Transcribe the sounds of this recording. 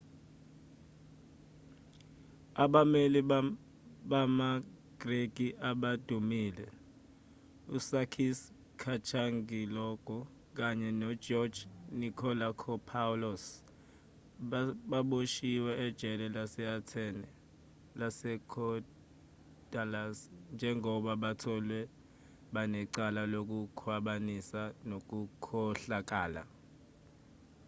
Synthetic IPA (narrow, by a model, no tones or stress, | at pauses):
aɓameli | ɓamaɡ̥reɡ̥ʱiʔaɓad̥ʱumiːlɛ | usakʰis | kʰat͡ʃʰaŋɡʱilɔɡ̥ʱɔ | k̬aɲɛnɔ̥d͡ʒɔd̥d͡ʒ̥nikʰɔlakʰɔpʰalɔs | ɓaɓoʃiwɛɛd̥ʒ̥ʱɛlɛlasɛatʰɛnɛ | lasɛkʰɔ | d̥alasnd͡ʒʱɛŋʱɔɓaɓatʰɔlwɛ | ɓanɛǀalalok̬ukʰwaɓanisanok̬ukʰɔɬak̬ʼaːla̰